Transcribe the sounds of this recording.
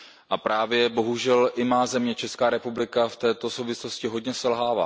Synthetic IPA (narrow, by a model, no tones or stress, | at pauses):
ʔapɾaːvjɛbo̞ɦuʒɛlʔɪmaːzɛmɲɛt͡ʃɛskaːɾɛpublɪkaft̪ɛːt̪o̞so̞wvɪslo̞scɪɦo̞dɲɛsɛlɦaːva̰ː